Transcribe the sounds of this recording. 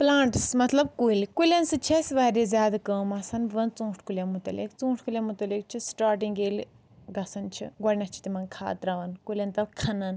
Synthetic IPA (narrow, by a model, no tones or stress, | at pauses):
plãːɳʈsmɐt̪lɐb̚kuilʲkulʲɐnsɨt͡ʃʰɐsʲʋaːɾezʲjaːd̪akɐːmɐsɐnʋɐnt͡sũːʈʰkulʲjɐmut̪ɐlḭkt͡sũːʈʰkulʲɐmut̪ɐlik̚t͡ʃʰisʈaːɾʈĩŋɡeːl | ɡɐsɐnt͡ʃʰḭɡɐɽʲnʲɐst͡ʃʰi̥t̪imɐnkʰa̰ːt̪ɾaʋɐnkulʲɐnt̪ɐlkʰɐnɐn